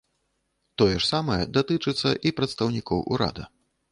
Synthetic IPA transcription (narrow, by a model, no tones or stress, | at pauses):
t̪ɔjɛʂsamɐjɛd̪at̪ɨt͡ʂɨt̪sːɐʔipɾɐt̪st̪ɐwnʲikɔwʔṵɾa̰d̪ɐ̰